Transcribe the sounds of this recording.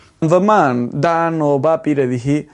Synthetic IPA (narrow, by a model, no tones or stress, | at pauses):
mvɐmaːnd̪aːnoːbaːpiɾɐðiɦi